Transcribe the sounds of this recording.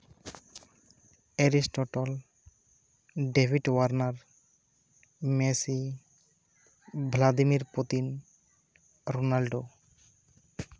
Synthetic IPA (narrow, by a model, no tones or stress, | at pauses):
eɾisʈɔʈɔl | ɖepʰiʈwaɾnaɾ | mesi | bʱlad̪imiɾpot̪in | ɾonalɖo